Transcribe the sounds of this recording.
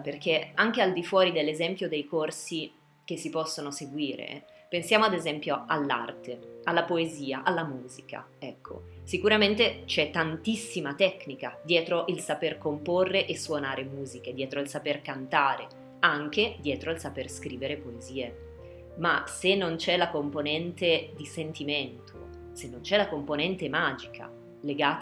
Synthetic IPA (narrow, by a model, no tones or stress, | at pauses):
perk̟eaŋk̟eald̪ifwɔːɾid̪elːezɛmpjod̪ejkorsi | k̟esːipɔsːonoseɡwiːɾḛ | pensjaːmoad̪ezɛmpjoalːa̰rt̪ʰealːapoeziːaʔalːamuːzika̰ | ɛkʰːo̰sikuɾament̪et͡ʃɛt̪ːant̪isːimat̪ɛknika̰d̪jɛːt̪ɾoʔilsaperkomporrːeʔesːwonaːɾemuːziked̪jɛːt̪ɾoilsaperkant̪aːɾe | aŋk̟ed̪jɛːt̪ɾoilsaperskɾiːveɾepoeziːe | masenːont͡ʃɛlakomponɛnt̪ed̪isent̪iment̪ʰo̰ | senːont͡ʃɛlakomponɛnt̪emaːd͡ʒikʰa̰ | leɡaːt̪